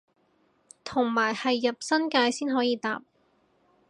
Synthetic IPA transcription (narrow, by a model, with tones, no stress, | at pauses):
t̪ʰʊ˨˩ŋmaː˨˩jhɐ˨jːɐ˨p̚sɐ˥nkaː˧jsiː˥nɦɔː˨˥jiː˨˧t̪a̰ː˨p̚